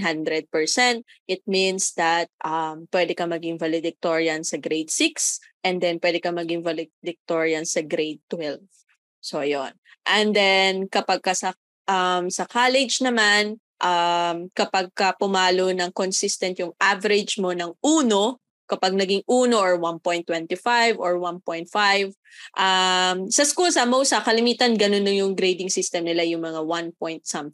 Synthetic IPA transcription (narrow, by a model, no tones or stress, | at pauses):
ɦand̪ɾɛd̪̚pɛɹsɛnt̪̚ | ʔɪt̪̚minsd̪ɐt̪̚ʔɐmpwɛd̪ɛkɐmɐɡɪŋvalɪd̪ɪk̚t̪oɹiɐnsɐɡɾejd̪̚siks | ʔɛ̃nd̪ɛnpwɛːd̪ɛkɐmɐɡiŋvalɪd̪ɪk̚t̪oɹiɐnsɐɡɾejd̪̚t̪ːwɛlv | so̞jonʔɛnd̪ɛnkɐpɐɡ̚kɐsɐ | ʔɐmsɐkaːlɛd͡ʒnɐman | ʔamkɐpɐɡ̚kɐpʊmaːlonɐŋkonsist̪ɐnt̪jʊŋʔavɐɾɪd͡ʒmo̞nɐŋʔuːno̞ | kɐpaɡ̚nɐɡɪŋʔuːno̞ʔɔɹwanpojnt̪wɛnt̪ifajvɔɹwanpojnt̪̚fajv | ʔamsɐskuːlsɐmowsɐkɐlɪmiːt̪ɐnɡɐnonjonjʊŋɡɾejd̪ɪŋsɪst̪ɛmnɪlajʊŋmɐŋawanpojnt̪̚sɐmθɪ